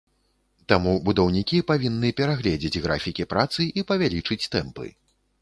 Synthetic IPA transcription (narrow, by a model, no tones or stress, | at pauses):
t̪amubud̪ɐwnʲikʲipavʲinːɨpʲɛɾaɣlʲɛd͡zʲid͡zʲɣɾa̰fʲikʲipɾat̪sɨʔipɐvʲalʲit͡ʂɨt͡sʲt̪ɛmpɨ̰